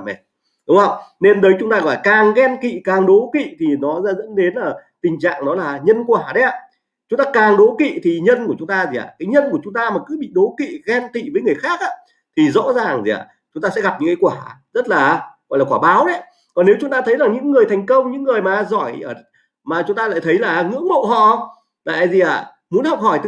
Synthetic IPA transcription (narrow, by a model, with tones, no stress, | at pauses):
mɛ̰˨˩ | ɗʊ˨˦ŋ͡ma˧˩wne˧nɗəː˨˦jt͡ɕʊ˨˦ŋ͡mt̪aː˧ɣɔ̰˧˨la˨˩kaː˨˩ŋɣɛ˧nkḭ˧˨kaː˨˩ŋɗo˨˦kḭ˧˨t̪ʰi˨˩nɔ˨˦z̰zə̰˧˥nɗe˨˦nʔəː˧˩t̪ï˨˩ŋ̟t͡ɕa̰ː˧˨ŋnɔ˨˦laː˨˩ɲə˧nkwaː˧˩ɗə˨˦jʔa̰ː˧˨ | t͡ɕʊ˨˦ŋ͡mt̪aː˧kaː˨˩ŋɗo˨˦kḭ˧˨t̪ʰi˨˩ɲə˧nku˧˩t͡ɕʊ˨˦ŋ͡mt̪aː˧zi˨˩ʔa̰ː˨˩kaː˨˦jɲə˧nku˧˩ət͡ɕʊ˨˦ŋ͡mt̪aː˧maː˨˩kɨ˨˦ɓḭ˧˨ɗo˨˦kḭ˧˨ɣɛ˧nt̪ḭ˧˨vəː˨˦jŋɨ˨˩əjxaː˦˥k̚ʔaː˧˥ | t̪ʰi˨˩zɔ̰˧˥zaː˨˩ŋzḭ˨˩ʔa̰ː˨˩ | t͡ɕʊ˨˦ŋ͡mt̪aː˧sɛ˧˥ɣa˨˩p̚ɲɨ̰˧˥ŋkaː˨˦kwaː˧˩z̥ə˦˥t̚laː˨˩ɣɔ̰˧˨jlaː˨˩kwaː˧˩ɓaː˨˦wɗə˨˦j | kɔ˨˩nːe˨˦wt͡ɕʊ˨˦ŋ͡mt̪aː˧t̪ʰə˨˦jzaː˨˩ŋɲɨ̰˧˥ŋːɨ˨˩əjt̪ʰɛ˨˩jŋ̟kə˧wŋ͡mɲɨ̰˧˥ŋːɨ˨˩əjmaː˨˩zɔ˧˩jəː˧˩ | maː˨˩t͡ɕʊ˨˦ŋ͡mt̪aː˧la̰ː˧˨jt̪ʰə˨˦jlaː˨˩ŋɨ̰˧˥əŋmo̰˧˨ɦɔ̰˧˨ | la̰ː˧˨jzi˨˩ʔa̰ː˧˩ | mu˨˦ənhɔ˨˩wk͡p̚hɔ˧˩jt̪